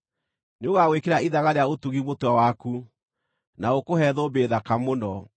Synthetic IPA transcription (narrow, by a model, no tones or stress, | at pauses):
neoɣaɣwekeɾaiðaɣaɾeaotuɣimotwawaku | naokohɛðobeðakamonɔ